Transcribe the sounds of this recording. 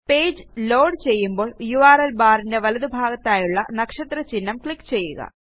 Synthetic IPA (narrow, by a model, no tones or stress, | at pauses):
pe̞ːd͡ʑɨlo̞ːɖt͡ɕe̞jːumbo̞ːɭjuaːɾɐlbaːɾinde̞ʋɐlɐðubʱaːɡɐt̪ːaːjuɭːɐ̰nɐkʂɐt̪rɐt͡ɕinːɐmkɭikːt͡ɕe̞jːṵɣɐ̰